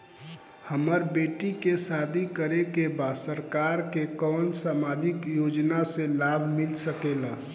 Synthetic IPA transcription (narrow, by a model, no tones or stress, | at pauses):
həməɾbeʈikesad̪ʱikəɾekebad̪səɾkaɾkekɔːnsamad͡ʒikjod͡ʒnaselabʱmilsəkela